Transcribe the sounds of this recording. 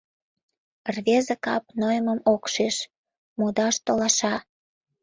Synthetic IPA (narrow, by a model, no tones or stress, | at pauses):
rβezəkɑp̚nojəməmokʃeʃ | mod̪ɑʃt̪olɑʃɑ